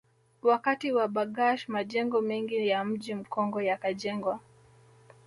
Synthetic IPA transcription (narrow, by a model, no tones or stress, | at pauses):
wakatiwaɓaɡaʃmaʄɛŋɡɔmɛŋɡijam̩ʄim̩kʰɔŋɡɔjakaʄɛŋɡwa